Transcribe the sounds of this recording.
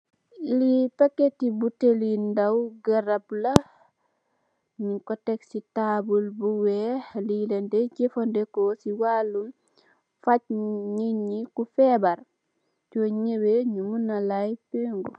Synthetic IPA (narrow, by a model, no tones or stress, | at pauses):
lipɐkːetibutelindawɡɐɾɐblɐ | ɲikɔtɛksitabulbuwɛlilɛndeɟefondekosiwalun | fac̚ɲiɲikufɛbaɾ | t͡ʃoɲeweɲumunalajpeŋɡu